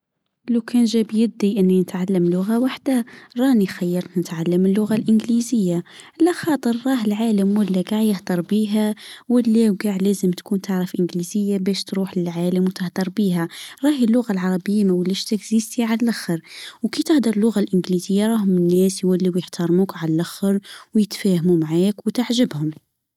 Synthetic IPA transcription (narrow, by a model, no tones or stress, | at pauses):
lawkʰænʒæbjɪb̚d̪iʔɪnːinɪt̪ʕalːəmlʊɣawaħd̪aɾˤɑːnixajːɑɾˤt̪nɪt̪ʕalːəmɪlːʊɣalʔɪnɡlizɪjːa | lːæxɑːt̪ˤəɾːˤɑːɦɪlʕaːləmwɪlːæɡaːʕjəhd̪ɑɾˤbiːɦæwɪlːewɡaːʕlæːzəmt̪kuːnt̪ʰaʕɾəfʔɪnɡliːzɪjːabæːʃt̪ɾuːħlɪlʕaːləmwt̪ɪhd̪ɑɾˤbiːɦæɾˤɑːhɪlːʊɣalʕɑɾˤɑbəjːamæwɪlːiʃt̪ɪɡziːst̪iʕallʔaxəɾˤwkit̪ɪhd̪ɑɾˤlːʊɣalʔɪnɡlizɪjːaɾˤɑːɦʊmɪnːɛːsjwælːiwjəħt̪ʰɑɾˤmuːkʕalalʔaxəɾwjɪt̪fæːhmumaʕaːkwt̪aʕʒəbhʊm